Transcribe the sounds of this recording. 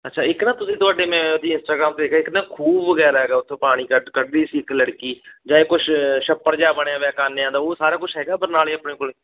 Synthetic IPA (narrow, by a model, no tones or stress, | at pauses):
ətːʃʰaːɪknãːt̪ʊsĩːt̪ʊaːɖeːmɛ̃ːd̪iːɪnsʈaːɡɾaːmt̪eeːkaɪknaːkʰuːbʋəɡɛːɾaːɦɛːɡaːʊt̪ʰːõːpaːɽ̃iːkəɖkəɖːiːsiːɪkləɽkiːd͡ʒãːeːkʊt͡ʃʰʃəpːəɾd͡ʒaːbəɽ̃jãːʋɛːkaːneːãːd̪aːoːsaːɾaːkʊt͡ʃʰɦɛːɡaːbəɾnaːleːəpneːkʊleː